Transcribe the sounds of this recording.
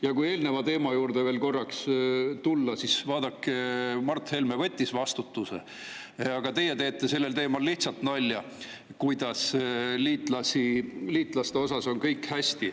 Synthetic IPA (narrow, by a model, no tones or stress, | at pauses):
jɑkuje̞ːlne̞vɑt̪e̞ːmɑjuːɾd̪̥e̞ve̞ːlko̞rːɑkst̪ulːɑsisvɑːd̪̥ɑkːmɑrt̪he̞lmevɤ̞t̪ʲːisvɑst̪ut̪ːˑusḛ | ɑɡ̥ɑt̪e̞je̞t̪eːt̪ːˑese̞lːe̞lt̪eːmɑlːiht̪sɑlt̪nɑlʲːjɑ | kujd̪̥ɑsliːt̪ˑlɑsʲiliːt̪ˑlɑst̪e̞o̞sɑso̞nkɤjkhæsʲt̪i